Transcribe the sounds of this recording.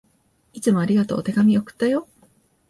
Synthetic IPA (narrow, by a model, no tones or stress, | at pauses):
it͡sɨmo̞aɾʲiɡat̪o̞̰ːt̪e̞ɡamʲiokɯ̟̥t̪ːajo̞